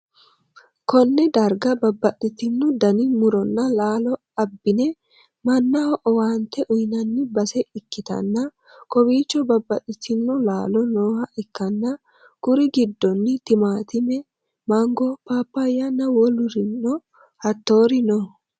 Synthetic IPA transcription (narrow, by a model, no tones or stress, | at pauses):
kɔnːɛd̪ɐɾɡɐbɐbːɐtʼːɪt̪ɪnːʊd̪ɐnɪmʊɾɔnːɐlaːlɔ | ɐbːɪnɛ | mɐnːɐhɔʔɔwaːnt̪ːɛʔʊjnɐnːɪbɐsɛʔɪkːɪt̪ɐ̰nːɐ | kɔbiːt͡ʃːɔbɐbːɐtʼɪt̪ɪnːʊlaːlɔnoːhɐʔɪkːɐnːɐ | kʊɾɪɡɪd̪ːɔnːɪt̪ɪmaːt̪ɪmɛ | maŋɡɔpaːpːɐjːɐnːɐwɔlʊɾɪnːɔ | hɐt̪ːo̞ːɾɪnɔ